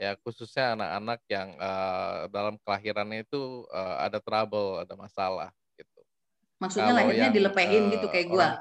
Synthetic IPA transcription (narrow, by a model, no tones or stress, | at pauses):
jakususɲaːnaka̰nak̚jaŋədalamkəlaɦiɾanait̪uəa̰dat̪ɾabəladamasala̰hɡit̪̚u | maksut̪̚ɲalaɦiɲadiləpəɦɪnɡit̪ukajaɡua